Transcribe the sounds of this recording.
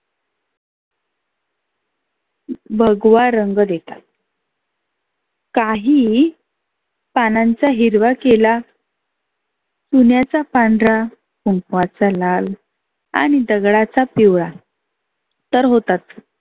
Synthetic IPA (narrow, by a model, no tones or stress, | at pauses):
bʱəɡʋaɾəŋɡd̪et̪at̪ | kaɦiː | panaɲt͡saɦiɾʋakela | sunjat͡sapaɳɖɾa | kuɳkʋat͡salal | a̰ñid̪əɡɭat͡sapiʋɭa | t̪əɾɦot̪at̪